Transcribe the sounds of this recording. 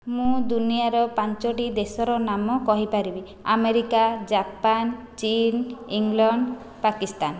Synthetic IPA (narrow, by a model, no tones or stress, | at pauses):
mũd̪unijaɾɔpant͡ʃɔʈid̪esɔɾɔnamɔkɔɦipaɾibi | a̰meɾikad͡ʒapan | t͡ʃiniŋlɔɳɖ | pakist̪an